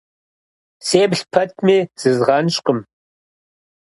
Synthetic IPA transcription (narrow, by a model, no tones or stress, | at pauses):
seːbɬpʰɐt̚ʰmiːz̥ɨzʁɑnɕqəm